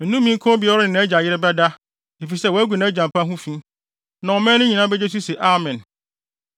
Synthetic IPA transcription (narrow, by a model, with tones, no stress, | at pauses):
n̩˨nũ˦mːĩ˨˦ŋ˦kʰɔ̃˦bi˨ɔ˦ɾʊ˦nɪ̃˨nã˨˦d͡ʑa˨jɪ˦ɾɪ˦bɛ˦da˦ | e˨fi˨sɛ˦˨wɔ˨˦æ˦ɡʷu˨nã˨˦d͡ʑã˨mpʰã˦ɦũ˦fĩ˦ | nã˨ɔ˨mɛ̃˦nʊ̃˦ɲĩ˨nã˦bɛ˦d͡ʑe˦s̬u˦sɛ˨ʔa˦˨mɛ̃˨n